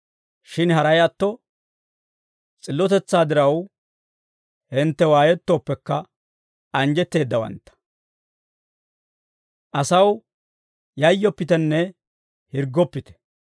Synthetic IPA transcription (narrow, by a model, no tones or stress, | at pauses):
ʃɪnhɐɾɐjɐt̪ːɔ | t͡sʼɪlːɔt̪ɛt͡sːaːd̪ɪɾɐw | hɪnt̪ːɛwaːjɛt̪ːoːpːɛkːɐ | ɐnd͡ʒɛt̪ːe̞ːd̪ːɐwɐ̰nt̪ːɐ̥ | ʔɐsɐw | jɐjːɔpːɪt̪ɛnːɛ | hɪɾɡɔpːɪt̪ɛ̥